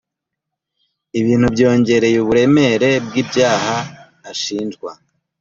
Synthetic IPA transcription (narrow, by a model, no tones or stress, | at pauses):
iβiːn̥hubɟo̞ːɲɟe̞ɾe̞juβuɾe̞me̞ɾe̞b̚ɡiːbɟaːhaː | ʃiːnd͡ʒɡwa